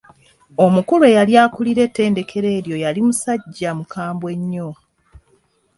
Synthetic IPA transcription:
o̞mukulue̞jaljaːkuliɾe̞tːe̞ːnde̞kʰe̞ɾe̞ːɾjo̞jalimusaɟːamukʰaːmbwe̞ɲːo

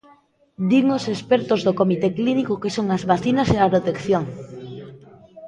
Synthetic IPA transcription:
d̪iŋosespeɾt̪ozðokomit̪eklinikokesoŋazβaθinaseapɾot̪ekθjoŋ

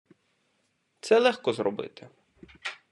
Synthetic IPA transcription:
t̪sɛlˠɛxkɔzrɔbɪ̰t̪ɪ

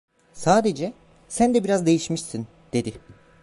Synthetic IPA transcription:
saːd̪e̞d͡ʒɛ | sænd̪ɛbiɾazd̪e̞jiʃmiʃsin | d̪̥e̞d̪ɪ

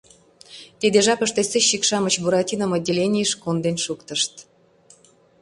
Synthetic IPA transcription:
t̪ed̪eʒɑkəʃt̪eseɕːikʃɑmə̆t͡ɕbuɾɑtʲinə̆mɤ̆dʲelʲenʲijəʃkond̪enʃukt̪ə̆ʃt̪

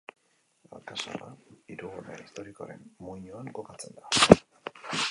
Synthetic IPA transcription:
a̰lkaso̰ɾaiɾuɣorḛist̪o̞ɾiko̞̰ɾe̞̰mmuiɲuaŋko̞kat͡se̞nd̪a

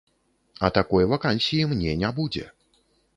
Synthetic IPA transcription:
at̪akɔjvakanʲsʲijimnʲɛnʲabud͡zʲɛ̰

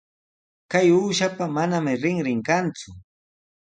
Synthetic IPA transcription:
kajuːʃapamanamɪɾɪŋɾɪŋkant͡sʊ

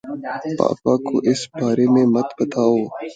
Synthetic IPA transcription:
pa̰ːpako̰ʔɪsbaːɾemẽmɐt̪bɐt̪aːoː

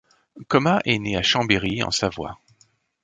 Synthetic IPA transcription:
kɔmaʔɛneaʃɑ̃beʁiɑ̰̃savwa̰

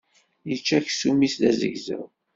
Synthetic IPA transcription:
jət͡ʃːæçsumisðæzə̰ʝzə̰ð

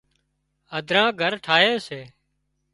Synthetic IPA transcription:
əd̪ʱɾãːɡʱəɾʈʰaːɦeːseː

